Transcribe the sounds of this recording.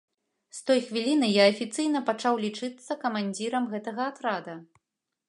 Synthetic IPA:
st̪ɔjxvʲilʲinɨjaɐfʲit̪sɨjn̪ɐpat͡ʂawlʲit͡ʂɨt̪sːɐkɐmanʲd͡zʲiɾɐmɣɛt̪ɐɣɐːt̪ɾad̪ɐ

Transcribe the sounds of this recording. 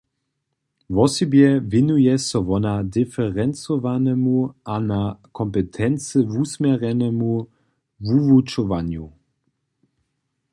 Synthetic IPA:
vɔsibjɛvɛnujɛsɔvɔnad̪ɪfɛʁɛnt͡sɔvanɛmuʔanakʰɔmpɛt̪ʰɛnt͡sɪvusmʲɛʁɛnɛmu | vuvut͡ʃɔvanju

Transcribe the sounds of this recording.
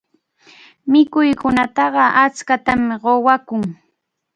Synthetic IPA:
mɪkʊjkʊnat̪ɑɢɑʔat͡skat̪amɪɢowakʊŋ

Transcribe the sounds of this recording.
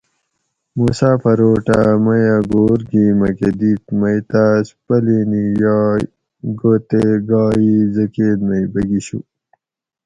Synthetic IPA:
musaːfɐɾoːʈamɐjaɡoːɾɡimɐked̪it̪mɐjt̪aːspɐlinijɑː | ɡot̪eɡɑːizɐkeːd̪mɐjbɐɡiɕṵ

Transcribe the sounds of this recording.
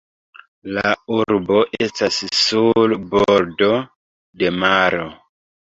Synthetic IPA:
lauɾbo̞ʔe̞stassulboɾdo̞ | de̞maɾo

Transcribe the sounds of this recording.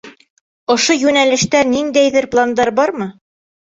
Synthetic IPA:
ŏʃojʉnælɘ̆ʃt̪ænind̪æjðɘɾplˠand̪ɑɾbɑɾmɤ

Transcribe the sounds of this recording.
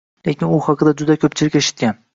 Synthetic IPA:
lekʲɪnʊhɑqʰɨd̪ad͡ʒʊd̪akʲʰɵp̚t͡ʃʰɪlɪkʲeʃɪ̥t̪̚kʲan

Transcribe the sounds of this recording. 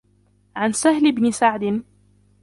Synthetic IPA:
ʕansahlɪbnɪsaʕd̪ɪn

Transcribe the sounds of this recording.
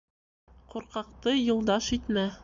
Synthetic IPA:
quɾqɑqt̪ɤjŭlˠd̪ɑʃit̪mæ

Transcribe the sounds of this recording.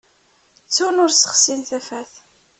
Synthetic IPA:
t͡sːunʊɾsə̥χsinθæfæθ

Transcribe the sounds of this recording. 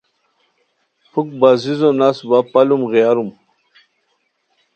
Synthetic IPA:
pʰuk̚bazizõnasbapɐlumɣijaɾum

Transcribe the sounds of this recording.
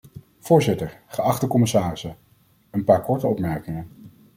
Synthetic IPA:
v̥ʊːɹzɪtəɹχəɑχtəkɔmɪsaːrɪsə | ənpaːɹkɔɹtəɔpmɛɹkɪŋən

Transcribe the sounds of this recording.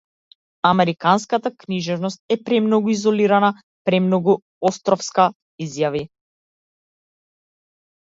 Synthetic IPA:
amɛɾikanskat̪akniʒɛvnɔst̪̚ɛpɾɛmnɔɡuizɔliɾana | pɾɛmnɔɡu | ɔst̪ɾɔfska | izjavi

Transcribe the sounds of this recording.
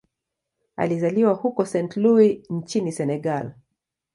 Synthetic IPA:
a̰lizaliwahukɔsɛntluint͡ʃinisɛnɛɡal

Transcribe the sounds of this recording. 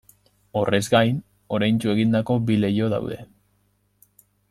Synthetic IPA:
o̞re̞zɡajn | o̞ɾajnt͡ʃue̞ɣind̪ako̞bile̞jo̞ða̰wðe̞

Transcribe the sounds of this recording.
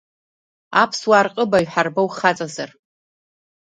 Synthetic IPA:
apʰswaːrqʼəbaɥħarbowχat͡sʼazar

